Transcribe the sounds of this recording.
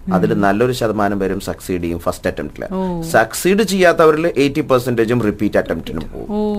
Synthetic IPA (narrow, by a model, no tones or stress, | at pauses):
ɐðilnɐlːo̞ɾuɕɐðɐmaːnɐmʋɐɾumsɐksiːɖijumfɐstɐʈːɐmʈilɐ̰sɐksiːɖɨt͡ɕejːaːt̪ːɐʋɐɾilʔe̞ːtːipɐrsɐnɖet͡ɕumripːiːtːɐʈːemʈinṵmpo̰ːɣṵm